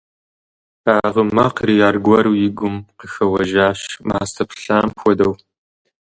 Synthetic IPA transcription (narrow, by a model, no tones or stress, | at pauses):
aːʁəmɐqrijaːrɡʷɐɾjɪɡʷʊmqəxɐwɐʒaːɕmaːstʰɐpʰɬaːmxʷɔdɐw